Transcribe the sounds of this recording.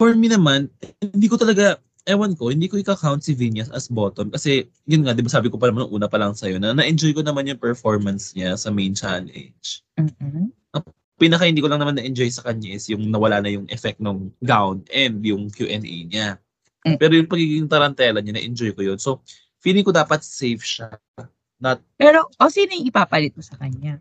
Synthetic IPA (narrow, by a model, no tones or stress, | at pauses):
fɔɹminɐmanhɪnd̪iːkot̪ɐlɐɡa | ʔɐjwɐnko̞hɪnd̪iːkoʔɪkɐkawnt̪̚sɪviɲjɐsɐ̰sboːt̪onkɐsɛ | jʊnŋad̪ɪbasaːbɪkopɐnɐmanʊŋʔuːnɐpɐlɐŋsɐjo̞nɐnɐʔɛnd͡ʒojkonɐmanjʊŋpɛɹfoɹmɐnsɲasɐmejnt͡ʃa̰lḛd͡ʒ | ʔɐ | pinɐkɐhɪnd̪iːkolɐŋnɐmanːɐʔɛnd͡ʒojsɐkɐɲːaʔɪsjʊŋnɐwɐlaːnɐjʊŋʔɛfɛk̚t̪̚nɐŋɡɾawnd̪ʔɛnd̪jʊŋkjuːʔɛnʔḛjɲa | pɛːɾojʊŋpɐɡiːɡɪŋt̪ɐɾɐnt̪ɛːlɐɲanɐʔɛnd͡ʒojkojonso | fiːlɪŋkod̪aːpɐt̪̚sejfʃa | nɐt̪̚pɛːɾoʔosinɐɪŋɪpaːpɐlɪt̪̚kosɐkɐɲa